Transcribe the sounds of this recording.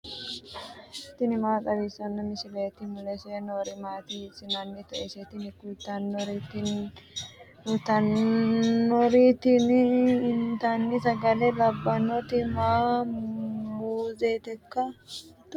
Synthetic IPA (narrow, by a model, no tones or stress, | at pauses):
t̪ːɪnɪmaːkʼɐβiːsɐnːɐmɪsɪleːt̪ɪmʊlɛsɛnoɾɪmaːt̪isɪnɐnːɪt̪ɐʔɛsɛt̪ɪnɪkuːt̪ːɐnːɔɾit̪in | kut̪ɐnː | ɔɾit̪ɪnɪnt̪anːɪsɐɡɐlelɐbːɐnɔt̪ɪmaː | muːzeːt̪ɛkːɐt̪